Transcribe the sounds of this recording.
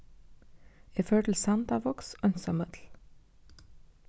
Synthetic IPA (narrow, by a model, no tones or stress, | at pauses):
eːføːʈl̩sɑnd̪ɑʋɔksœnsɑmœd̪l̩